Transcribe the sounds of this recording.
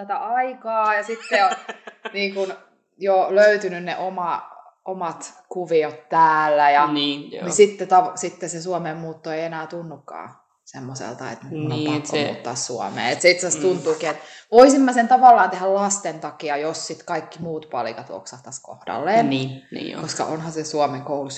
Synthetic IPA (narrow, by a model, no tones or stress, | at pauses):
t̪æt̪æɑikɑːjɑsit̪ːeoniːŋkun | joløyt̪ynynneʔomɑ | omɑt̪kuʋiot̪tæːlːæjɑnnisit̪ːet̪ɑsit̪ːesesuomeːmmuːt̪ːoeienæːt̪unːukːɑ̰ː | semːosḛlt̪ɑḛt̪nyunːɑkːomṵːt̪ːɑ̰ːssuɔ̰mḛːet̪seit̪sæst̪unt̪uːkiːet̪ʋoisimːɑsent̪ɑʋɑlːɑːnt̪ehællɑst̪ent̪ɑkiɑjossit̪kɑikːimuːt̪pɑ̰lḭkɑt̪ṵo̰ksɑht̪ɑsko̰hd̥ɑ̰lːeːnninḭkoskɑ̰ʔonhɑsesuomeŋkoulus